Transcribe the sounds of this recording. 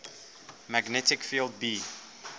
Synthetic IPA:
maɡnɛtɪkfilˠd̚bi

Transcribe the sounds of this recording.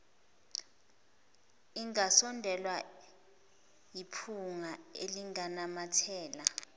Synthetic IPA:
iŋasɔndʱɛlwa | jipʰuŋaeliŋanamatʰɛːla

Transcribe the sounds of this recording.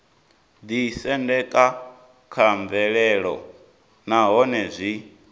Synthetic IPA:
d̪isɛndɛkʼa | kʰaɱvɛɺɛɺɔ̰ | naɦɔnɛzʷi

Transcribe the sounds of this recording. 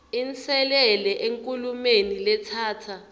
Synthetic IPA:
int͡sɛlɛlɛʔeŋkʼulumenilɛt͡sʰaːtʰa

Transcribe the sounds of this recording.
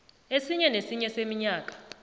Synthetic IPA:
esiɲɛnesiɲɛsemiɲaːkʼḁ

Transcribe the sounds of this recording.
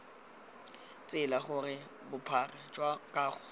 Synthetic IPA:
t͡sʼɪlaχʊrɪ | bʊpʰarɛd͡ʒwakʼaːχʊ

